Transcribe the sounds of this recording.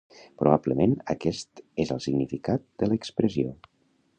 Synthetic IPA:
pɾuβabləmenəkɛst̪ezəlˠsiɡnifikat̪̚d̪̥ələkspɾəzio

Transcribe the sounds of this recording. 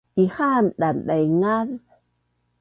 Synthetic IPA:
tihanɗanɗajŋal

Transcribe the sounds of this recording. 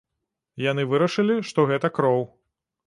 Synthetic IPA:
janɨvɨɾɐʂɨlʲiʂt̪ɔɣɛt̪ɐkɾɔw

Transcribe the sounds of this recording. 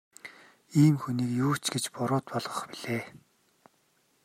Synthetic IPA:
iːmxuniːkjuːt͡ɕɡet͡ɕpʊɾʊːt̪pɔɮʁɞ̆χpiɮ̥eː

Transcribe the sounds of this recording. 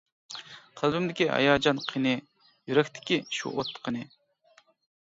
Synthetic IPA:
qʰəlˠbymd̪ɪkʲiʔɑ̰jɑːd͡ʒɑnqʰinɨ | jyɾɛkʲt̪ʰɪ̥kʲiʃṵʔot̪ʰːə̥qʰənɨ

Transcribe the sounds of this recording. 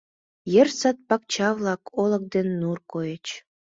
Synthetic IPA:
jə̆rsɑt̪̚pɑk̚t͡ɕɑβlɑkʰolə̆k̚d̪enːurkojə̆t͡ɕ

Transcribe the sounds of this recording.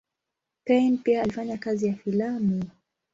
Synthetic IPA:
pɛjnpiaːlifaɲakazijafilami

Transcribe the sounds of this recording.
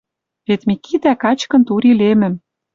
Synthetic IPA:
βet̪mʲikit̪ækɑt͡ɕkɤ̆nt̪uɾilemɘ̆m

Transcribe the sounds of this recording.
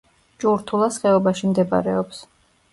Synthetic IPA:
t͡ʃʼuɾt̪ʰulˠasχɛɔbaʃimd̪ɛba̰ɾɛɔps

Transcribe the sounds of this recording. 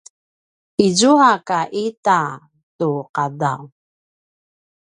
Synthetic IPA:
izuakaʔita | tuqadaw

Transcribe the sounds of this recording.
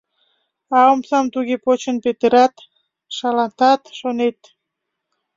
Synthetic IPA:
ɑomsɑmt̪uɣepot͡ɕənpet̪əɾɑt̪ | ʃɑlɑnt̪ɑt̪ʃonet̪

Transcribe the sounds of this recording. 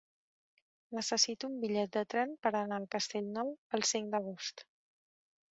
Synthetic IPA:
nəsəsit̪uumbiʎɛt̪̚d̪ət̪ɾɛnpəɾənaəlˠkəst̪eʎnɔwəlˠsiŋkd̪əɣ̞ost̪

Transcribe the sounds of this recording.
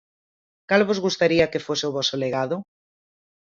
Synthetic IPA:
kalβozɣust̪aɾiakefoseoβɔsoleɣaðʊ

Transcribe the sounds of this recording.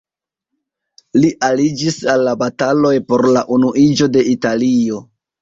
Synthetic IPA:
liʔalid͡ʒisalːabatalo̞jpo̞ɾlaʔunuʔid͡ʒo̞de̞italio̞

